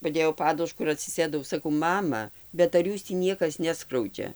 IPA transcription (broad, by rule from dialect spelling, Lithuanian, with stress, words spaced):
pɐˈdʲeːjɛʊ ˈpɑːdʊʃkʊ ɪr ɐtʲsʲɪˈsʲeːdɐʊ sɐˈkɐʊ ˈmɑːmɐ bʲɛt ɐr ˈjuːs tʲiː ˈnʲiɛkɐs nʲɛˈskrɐʊd͡ʒʲɛ